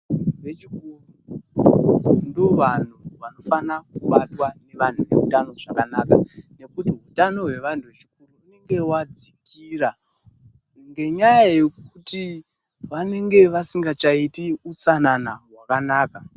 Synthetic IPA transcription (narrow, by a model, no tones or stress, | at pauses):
iuʋet͡ʃikuru | ndoʋan̤uʋano̞fanak̚uɓatwane̞ʋan̤uʋe̞̰utano̞ʐakanakane̞kutiɦutano̞ɦwe̞ʋan̤tʰuʋet͡ʃi̥kuruːne̞ŋɡewad͡zikʰiːra | ŋɡe̞ɲajajekuti | ʋane̞ŋɡe̞ʋasiŋɡat͡ʃaitiut͡sananaɦwakanaːka